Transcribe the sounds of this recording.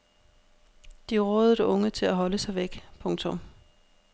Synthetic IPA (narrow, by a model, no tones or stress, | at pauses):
d̥iʁɔ̽ːðˠɾɔ̽ŋət͡sʰe̝læɦɒ̽ləsɑ̈ɪʋeɡ̥pʰɔ̽ŋt͡sʰɔm